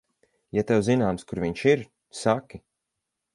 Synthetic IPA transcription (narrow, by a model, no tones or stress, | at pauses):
jat̪ɛwzinaːmskuɾviɲʃiɾ | sakʲi